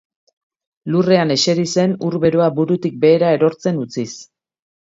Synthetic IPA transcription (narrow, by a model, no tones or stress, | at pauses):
lure̞ane̞ʃe̞ɾise̞nuɾβe̞ɾoabuɾut̪ik̚be̞ːɾae̞ɾo̞ɾt͡se̞nut͡sis